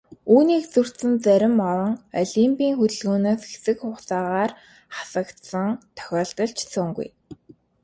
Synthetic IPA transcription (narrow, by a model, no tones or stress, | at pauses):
uːniːkt͡sur̥t̪sɘ̆nt͡sæɾʲɪ̆mɔɾɞ̆ŋɔ̰ɮimpʲiːŋxut̪ɵ̆ɮɣoːnoːsxe̥sɘ̆kχʊːχt͡saːʁaːr | χḁsə̆kt̪sə̆ŋt̪ʰœ̥xʲɔːɮt̪ɞ̆ɮt͡ɕʰt͡sʰɔŋɡṵj